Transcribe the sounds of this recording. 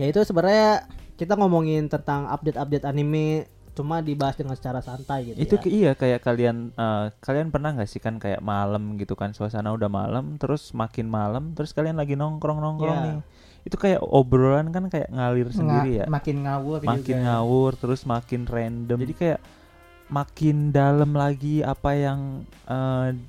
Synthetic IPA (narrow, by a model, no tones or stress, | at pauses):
jait̪usəbəɾajakit̪aŋomoŋɪnt̪ənt̪aŋa̰p̚dɛt̪ap̚dɛt̪anime | t͡ʃumadibaɦasdəŋansə̥t͡ʃaɾasant̪ajɡit̪ij̪uijakajaʔkalianəːkalianpərnahŋɡaʔsɪhkankaja̰ʔmaləmɡit̪ukansuasanaudahma̰ləmt̪əɾʊsmakɪnmaləmt̪əɾʊskalianlaɡinɔŋkɾɔŋnɔŋkɾɔŋnɪ | it̪ukaja̰ʔobɾolankankaja̰ʔŋalɪrsəndiɾija̰makɪnŋawʊmakɪnŋawʊrt̪əɾʊsmakɪnrɛndəmd͡ʒadikajaʔ | makɪndaləmlaɡiapajaŋ | ə